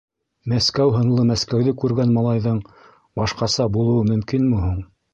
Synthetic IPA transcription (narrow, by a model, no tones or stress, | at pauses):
mæskæwɦɤ̆ɴlˠɤmæskæwðɘkʉɾɡænmɑlˠɑjðɤɴ | bɑʃqɑsɑbulˠɤ̆wɤmɵ̆mkinmuɦuɴ